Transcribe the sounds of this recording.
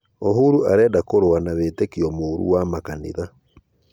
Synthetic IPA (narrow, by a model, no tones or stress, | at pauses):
oɦuɾuaɾɛːdakoɾoanaβetekiɔmoɾṵwamakanḭða